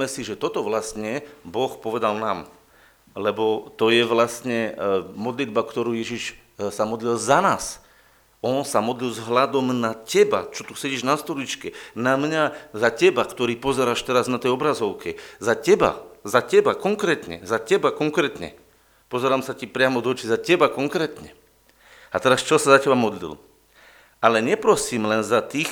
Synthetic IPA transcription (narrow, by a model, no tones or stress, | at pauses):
ɛsiʒɛt̪ɔt̪ɔʋlast̪ɲɛbɔxpɔʋɛd̪alnaːm | lɛbɔt̪ɔjɛʋlast̪ɲɛmɔd̪lid̪̚bakt̪ɔɾuːjɛʒiʃ | samɔd̪lilzanaːs | ɔnsamɔd̪lilzɦlad̪ɔmnacɛba̰t͡ʃɔt̪usɛɟiːʒnast̪ɔlit͡ʃkɛnamɲazacɛbakt̪ɔɾiːpɔzɛɾaːʃt̪ɛɾaznat̪ɛjɔbɾazɔʊkɛzacɛba̰zacɛbakɔŋkɾɛːt̪ɲɛ̰zacɛbakɔŋkɾɛːt̪ɲɛ̰ | pɔzɛɾaːmsacipɾɪamɔd̪ɔt͡ʃizacɛbakɔŋkɾɛːt̪ɲɛ̰ | at̪ɛɾast͡ʃɔsazacɛbamɔd̪lḭl | ʔalɛɲɛpɾɔsiːmlɛnzat̪iːx